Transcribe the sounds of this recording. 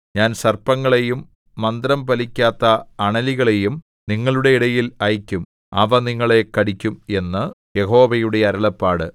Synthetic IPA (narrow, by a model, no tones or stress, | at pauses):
ɲaːnsɐrpɐŋːɐɭe̞jumː | ɐnd̪ɾɐmpɐlikʲːaːt̪ːɐːɳɐliɣɐɭe̞jum | niŋːɐɭuɽe̞iɽɐjilɐjkʲːum | ɐ̰ʋɐniŋːɐɭe̞kɐɽikʲːume̞nːɨ | je̞ɦo̞ːʋɐjuɽe̞ɐɾɐɭɐpːaːɽɨ